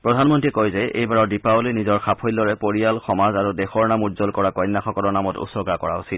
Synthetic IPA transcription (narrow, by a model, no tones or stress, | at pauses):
pɹɔdʱanmɔntɹiɛkojzɛʔḛjbaɹɔɹdipaolinizɔɹxapʰojlːɔɹɛpoɹijalxɔmazaɹudɛxɔɹnamutzɔlkɔɹakɔjnːaxɔkɔlɔɹnamɔtṵsɔɡakɔɹausit̚